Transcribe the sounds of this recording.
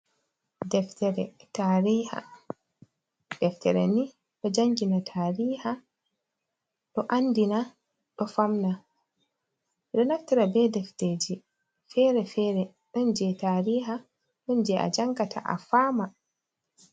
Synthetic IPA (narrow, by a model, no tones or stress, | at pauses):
dɛftɛɾɛ̰taːɾiːha̰ | d̥ɛftɛɾɛ̰ni | ɗɔd͡ʒaŋɡinatʰaːɾiːha | ɗɔʔandina | ɗɔfamna | ɗɔnaftɛɾabɛdɛfteːd͡ʒi | fɛɾɛfɛɾɛ | ɗɔnd͡ʒɛtaːɾiːɦa | ɗɔnd͡ʒɛʔa̰d͡ʒaŋɡatʰa̰ʔa̰faːma